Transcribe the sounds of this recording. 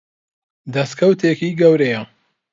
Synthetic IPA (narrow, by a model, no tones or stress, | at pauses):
d̪ɐst̪kʰɐwt̪ʰeːkiːɡɐwɾejɐ